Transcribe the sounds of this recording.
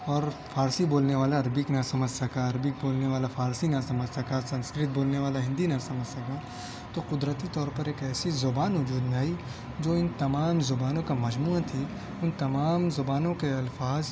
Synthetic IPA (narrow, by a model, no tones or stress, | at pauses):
ɔːɾfʰaːɾsiboːlneʋaːlaɐɾbɪknɐsɐməd͡ʒʱsɐkaɐɾbɪk̚boːlneʋaːlafʰaːɾsinɐsɐməd͡ʒʱsɐkasɐ̃nskɾɪt̪̚boːlneʋaːlaɦɪ̃nd̪inɐsɐməd͡ʒsɐka | t̪oqʊd̪ɾət̪it̪ɔːɾpɐɾeːkɛːsizʊbaːnʋʊd͡ʒuːd̪nai | d͡ʒoːɪnt̪ɐmaːmzʊbaːnõkamɐd͡ʒmuːãt̪ʰi | ʊnt̪ɐmaːmzʊbaːnõkeɐlfaːz